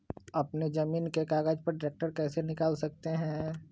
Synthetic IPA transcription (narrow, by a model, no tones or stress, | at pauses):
ɐpned͡ʒɐmiːnkekaːɡaːd͡ʒpɐɾɖɪɾeːk̚ʈəɾkɛːsenɪkaːlsɐk̚t̪eɦɛ̃ː